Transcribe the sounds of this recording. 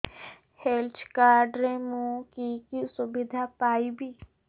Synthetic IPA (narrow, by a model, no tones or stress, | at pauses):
helt͡ʃkaːɾɖɾẽmũkikisʊbɪd̪ʱapaːibʱiː